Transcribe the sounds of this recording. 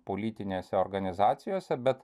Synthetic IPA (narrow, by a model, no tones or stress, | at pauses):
poːlʲiːt̪ʲɪnʲeːsʲɛoːɾɡɐnʲɪzɑːt̪sʲɪjoːsʲɛbʲɛt̪